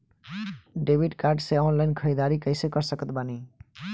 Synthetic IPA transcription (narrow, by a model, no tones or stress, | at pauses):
ɖebʱiɖkaɾɖseɔnlajnkʰəid̪aɾikəjsekɔɾsəkət̪bani